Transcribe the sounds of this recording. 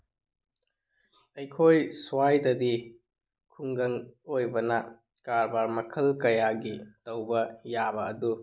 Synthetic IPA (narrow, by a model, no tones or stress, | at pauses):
ɐjkʰojsuwajdɐdi | kʰuŋɡɐŋojbɐnɐ | kaɾbaɾmɐkʰɐlkɐjaɡitɐwbɐjabɐːdu